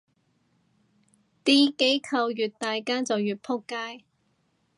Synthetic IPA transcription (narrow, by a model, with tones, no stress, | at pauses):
t̪iː˥ke˨˥jkʰɐ˧wjyː˨t̚t̪aː˨jkaː˥t͡sɐ˨wjyː˨t̚pʰʊ˥kːaː˥j